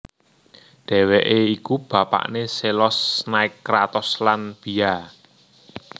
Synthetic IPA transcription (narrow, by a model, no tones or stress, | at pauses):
ɖ̪̥ɛ̤weʔeikub̥ä̤pa̰ʔneselɔsnaɪkːɾat̪ɔslanb̥i̤a